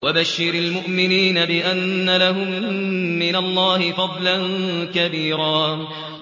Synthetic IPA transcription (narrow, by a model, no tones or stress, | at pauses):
wabaʃːɪɾalmʊʔmɪniːnabɪʔanːalaɦʊmː | ɪnalˤːɑːhɪfɑd̪ˤlankabiːɾaː